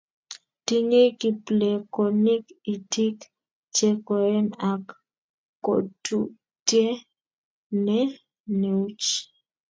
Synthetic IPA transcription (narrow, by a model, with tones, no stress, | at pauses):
ti˦ɲe˦ki˨ple˨kɔ˨ni˦ki˨ti˦k | t͡ʃe˦kɔ˨ɛ˦na˨kː | o̰˨tʰu˨ | tje˦ | nɛ˦ | ne˨u˦t͡ʃ